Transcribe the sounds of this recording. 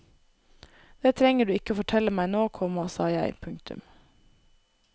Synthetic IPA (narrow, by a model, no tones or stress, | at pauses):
d̪̥eːt̪ʰɾɛŋəɖʉːɪkəoːfɔʈʰɛləmæɪnoːkʰɔːmɑsɑːjæɪpʰʉŋk̚t̪ʉ̰m